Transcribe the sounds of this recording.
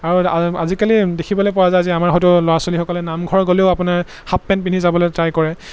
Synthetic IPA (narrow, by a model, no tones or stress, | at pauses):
aɹuaa̰zikalidekʰibɔlojpɔwazajziamaɹɦɔt̬ʊlɔɹasolixɔkɔlɛnamɡʱɔɹɡoleʊapʊnaɹ | hapːɛnpinizabɔlojtɹajkɔɹɛ